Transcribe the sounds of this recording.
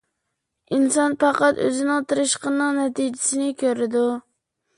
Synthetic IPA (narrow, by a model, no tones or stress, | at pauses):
insɑnpʰɑqɑt̪ø̰zɪnɪŋt̪ʰɨɾɨʃqənːɨŋnɛt̪ʰid͡ʒɪsɪnɪkʲʰøɾɪd̪u